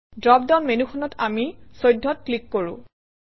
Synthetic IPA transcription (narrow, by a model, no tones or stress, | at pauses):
dɹɔp̚dɔnmenuxʰɔnɔtamisojdʱːɔt̚klikːoɹṵ̃